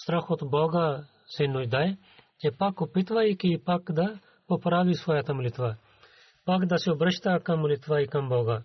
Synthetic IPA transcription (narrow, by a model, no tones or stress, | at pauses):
st̪ɾɐxot̪boːɡa | senud͡ʒd̪aːj | t̪epɐkupɪt̪ʋaikipɐkd̪ɐ | popɾaːʋisʋoːjaːt̪ɐmlɪt̪ʋa | pɐkd̪ɐseubɾɐʃt̪aːkɐmlɪt̪ʋaːikɐmbɔːɡaː